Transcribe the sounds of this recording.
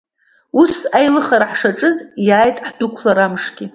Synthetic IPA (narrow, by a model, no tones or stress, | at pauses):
usajlɨχaɾaħʂaʈ͡ʂʼɨzjaːjtʼħd̥ʊkʷʰlaɾamʂɡʲi